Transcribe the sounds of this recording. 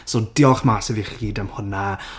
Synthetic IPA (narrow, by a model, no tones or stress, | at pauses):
sodɪɔχmaːsɛviχiːdəmhʊna